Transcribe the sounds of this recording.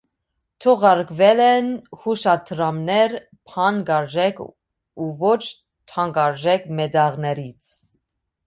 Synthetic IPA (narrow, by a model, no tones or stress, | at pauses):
t̪ʰɔʁɑɾkʰvɛlɛnhuʃɑt̪ʰɾɑmnɛɾ | pʰɑnɡɑɾʒɛkʰ | uvɔt͡ʃʰ | t̪ʰɑŋɡɑɾʒɛkʰmɛd̪ɑʁnɛɾit͡sʰ